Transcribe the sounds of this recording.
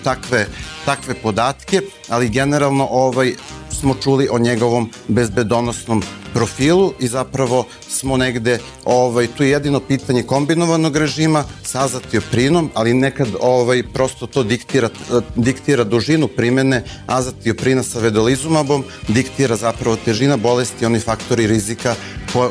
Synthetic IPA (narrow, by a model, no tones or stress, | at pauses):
t̪akʋet̪akʋe̞po̞d̪aːt̪ke̞ | aliɡe̞neɾalˠno̞ʔoʋajsmo̞t͡ʃuːliʔo̞ɲeɡo̞ʋo̞m | be̞zbe̞d̪o̞nosno̞mpɾo̞fiːlˠuʔizapɾaʋo̞ | smo̞neɡd̪e̞ | oʋajt̪uːjejed̪ino̞piːt̪aɲeko̞mbino̞ʋano̞ɡɾe̞ʒiːmasaazat̪iopɾino̞malinekad̪oʋajpɾo̞st̪o̞t̪o̞ːd̪ikt̪iɾad̪ikt̪iɾad̪uʒinupɾimene | azat̪iopɾiːnasaʋed̪olizumabo̞md̪ikt̪iɾazapɾaʋo̞t̪e̞ʒinabo̞lest̪io̞nifakt̪oɾiɾizika | ko